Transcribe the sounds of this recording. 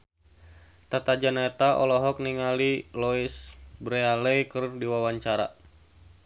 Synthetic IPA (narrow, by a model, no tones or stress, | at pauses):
t̪at̪ad͡ʒanaɛt̪aʔɔ̰lɔɦɔk̚niŋalilɔisbɾealɛikɨrdiwawaɲt͡ʃaɾa̰